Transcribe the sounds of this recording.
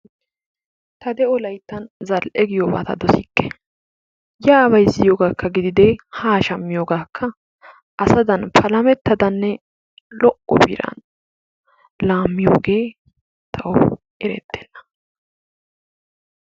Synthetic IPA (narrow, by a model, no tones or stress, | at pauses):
t̪ɐd̪ɛʔɔlɐjt̪ːɐnzɐlʔɛɡɪjoːba̰ːt̪ɐ̰d̪ɔsɪkːɛ̥ | jaβɐjzːɪjoːɡaːkːɐɡɪd̪ɪd̪ɛhaːʃɐmːɪjoːɡaːkʰːɐ | ʔɐsɐd̪ɐnpʰɐlɐmɛt̪ːɐd̪ɐnːɛ | lɔʔɔ̰bḭɾɐ̰n | laːmːɪjo̰ːɡeː | t̪ʰɐʔɔ | ɛɾɛ̰t̪ːeːnːɐ̥